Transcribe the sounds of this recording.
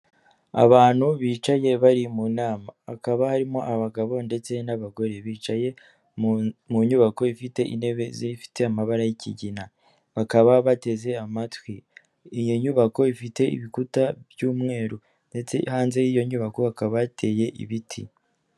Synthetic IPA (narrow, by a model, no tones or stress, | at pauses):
a̰βaːn̥huβiːt͡ʃaje̞βaɾimunaːma̰ːkaβahaɾimo̞ʔaβaɡaβo̞nde̞t͡se̞naβaɡo̞ɾe̞βiːt͡ʃaje̞ | muɲuβako̞ifite̞ʔḭne̞βe̞zeifi̥te̞amaβaɾajicʰḭɟina | βakaβaβate̞ze̞amatwiː | jo̞ɲuβako̞ifite̞ḭβikutaβjuːmŋe̞ːɾo | nde̞t͡se̞̰haːnze̞jijo̞ɲuβako̞akaβatʰe̞ːje̞ʔḭβitʰḭ